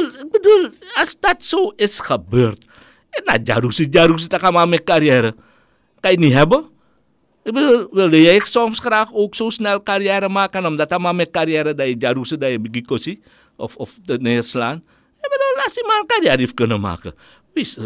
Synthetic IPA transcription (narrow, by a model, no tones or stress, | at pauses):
lbədulast̪at̪soɪtskəbərt̪̚ | ɪt̪̚na̰d͡ʒa̰ɾusid͡ʒaɾus̬it̪akamamɛkːaɾiɛɾə | kainiɦɛbə | bədulwildəjaiksɔfskəɾakoksosnɛlkaɾiɛɾəmakanɔmdat̪amamɛkːaɾiɛɾədajəd͡ʒaɾusədajəbiɡikosi | ʔɔfɔftənəərslan | ɛbədəlasimalkaɾiaɾifkənəma̰kə̰ | wis